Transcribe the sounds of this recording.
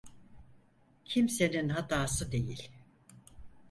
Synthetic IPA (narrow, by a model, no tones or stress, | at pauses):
cʰimse̞ninɦat̪aːsɯd̪e̞jilʲ